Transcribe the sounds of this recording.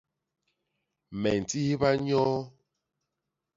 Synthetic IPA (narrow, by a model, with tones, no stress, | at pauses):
mɛ˨n̩˨ti˦hi˦ba˦ɲɔ˦